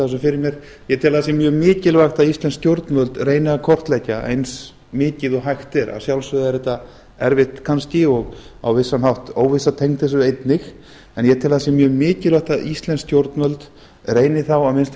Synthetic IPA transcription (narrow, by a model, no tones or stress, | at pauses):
s̬ɔfɪɾɪɾmjɛɾ̥ | jɛt̪ʰɪlaðasjɛmjœːɣmɪːcɪlvaxt̪aðist̪lɛnscjowɾt̪nmœlt̪reːjnɪakʰɔr̥t̪lɛcːaʔḛjns | mɪːcɪðɔɦajxt̪ɪɾa̰sjawlsvʏðɛɾɛt̪a | ɛ̰ɾvɪht̪kʰanscɪɔɣa̰wvɪsːanhawht̪oːwvɪsːat̪ʰejŋ̥t̪θɛsʏejt̪nɪx | ɛnjɛt̪ʰɪːlaðasjɛmjœːɣmɪːcɪlvaxt̪aðʔist̪lɛnscowɾt̪nmœlt̪ | reːjnɪθawamɪnst̪